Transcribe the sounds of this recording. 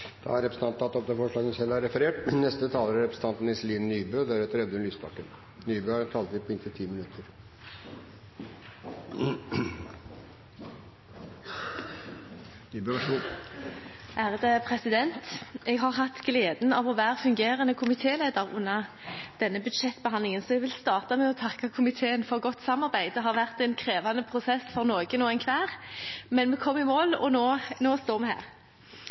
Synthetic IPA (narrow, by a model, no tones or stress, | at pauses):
d̪̥ɑ̰æɾɛpɾəsəɑnt̪ɑt̪ɔp̚d̪ɛfɔʂɭɑːɡənsɛlːæɾɛfəɾeːʈnɛst̪ət̪ʰɑːləɾæɾɛpɾəsn̩t̪ɑnt̪n̩ɪsliːnnyːbøːɔd̪æɾʉːt̪əɾɛd̪əʉnlyːspɑkːə̰n | nyːbøːɑt̪ʰɑːlt̪ʋɪpʰɔɪnt̪ʰət̪ʰiːmɪnʉt̪ʰəɾ | nyːbøːʋ | ʔæːʁd̪ɛpʰʁɛsɪd̪ɛnt̪ɛɡɦɑʁɦɑt̪ːɡleːd̪nɑʋɔʋæːʁfʉŋɡeːʁənəkʰʊmɪt̪ʰeːleːd̪əʁʊ̰nːɑ | d̪̥ɛnːəbʉd̪ʃɛt̪ːbəɦɑnd̪lɪŋənsɔɛɡʋɪlst̪ɑːʁt̪ɑmɛɔt̪ʰɑkːɑkʰʊmɪt̪ʰeːənfɔʁɡɔt̪ːsɑmːɑʁbæɪd̪ɛɦɑʁʋæʁt̪ɛɪnkʰɾeːʋɑnəpʰʁʊsɛsfɔʁnoːɡənoːɛnkʰʋæːʁmɛnmɛkʰɔmːɪmoːlɔ̰noːnoːst̪oːʁmɛɦæ̰ːʁ